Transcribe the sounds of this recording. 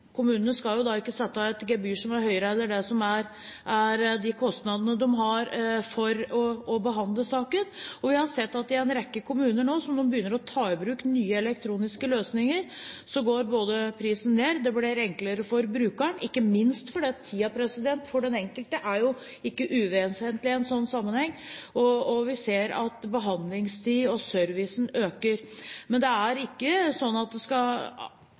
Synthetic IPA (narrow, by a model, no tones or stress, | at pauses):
kʰʊmʉːnənəskɑljʊd̪ɑɪkːəsɛt̪ːəɛt̪ɡɛbyːʂɔmæɾhœʏɾəɛlːəɖɛsɔmæɾ | ʔæɾd̪ɪkʰɔst̪nɑd̪ənəd̪ɔmɦɑɾfɔɾɔɔbəɦɑnd̪ləsɑːkənɔʋɪhɑsɛt̪ːɑt̪̚d̪ɪæɪnɾɛkːəkʰʊmʉːnəɳoːsɔmd̪ɔmbəjʏnːəɾɔt̪ʰɑːɪbɾʉːknyːəɛlɛk̚t̪ʰɾuːnɪskəløːsnɪŋəɾsɔɡoːɾboːd̪əpʰɾiːsən̩ːeːɾd̪ɛblɪɾɛŋkləɾəfɔɾbɾʉːkəɳɪkːəmɪnst̪fɔɖɛːɑt̪ʰːiːɑpʰɾɛsɪd̪ɛnt̪fɔɖɛnɛŋkəlt̪əʔæɾjʊ | ɪkːəʔʉːʋeənshɛːnt̪lɪɛnsɔnːsɑmːənhɛŋːɔːʋɪseːɾɑ̰t̪bəɦɑnd̪lɪŋst̪ʰiːɔsœɾʋɪsn̩øːkəɾmɛnd̪ɛæɾɪkːəsɔnːɑt̪̚d̪ɛskɑ